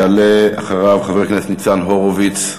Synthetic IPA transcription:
alea̰χaʁavχaveknest̪nit͡sanɦoʁovit͡s

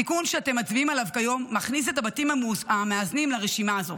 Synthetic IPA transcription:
ikunʃeate̞mat͡sviimalavkajo̞mːaχnis̬e̞t̬abatimaameaznimlaʁe̞ʃimaːzo̞

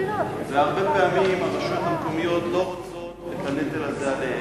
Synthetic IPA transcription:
veaʁbepeamimaʁiʃot̪hamkomijo̞t̪lo | et̪aned̪elazale

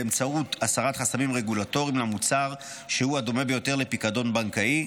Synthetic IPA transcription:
emt͡sautasaʁatχasamimʁe̞ɡulato̞ʁimlamut͡saʁ | ʃehuadome̞be̞jo̞te̞ʁle̞pikado̞nbaŋkai

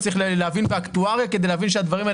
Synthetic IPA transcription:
t͡ssʁiχlleavinbeakt̪uaʁjaked̪e̞jleːvinʃ̬ead̪vaʁima

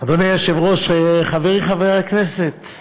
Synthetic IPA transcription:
ad̪onejaʃɛvʁoʃχaveʁiχavɛʁaknɛset̪

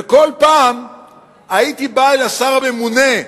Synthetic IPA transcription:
eko̞lpaːm | ait̪ibaelasaʁabemune

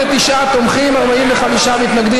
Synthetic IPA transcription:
et̪iʃat̪omχimaʁbaimleχamiʃamit̪naɡd̪i

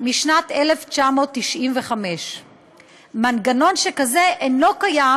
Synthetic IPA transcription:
miʃnat̪eleft͡ʃamo̞ːt̪ːiʃʔimveχame̞ʃ | manɡano̞nʃekaze̞ʔeno̞kaja

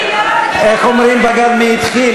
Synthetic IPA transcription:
eχomɾimbaɡalmeit̪χi

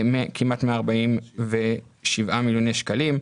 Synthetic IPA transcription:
mekʰimat̪meaːʁbaimveʃivʔamiljonejʃkalim

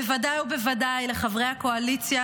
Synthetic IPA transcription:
evadajhube̞vadajleχavʁe̞jhako̞alit͡sja

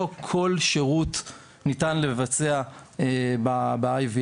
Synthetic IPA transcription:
okʰo̞lʃeʁut | nitanlevat͡seaebabaajvi

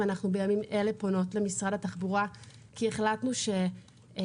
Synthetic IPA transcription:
anaχnube̞jamimʔe̞le̞pono̞tle̞misʁadhataχbuʁa | kieχlatnuʃe̞

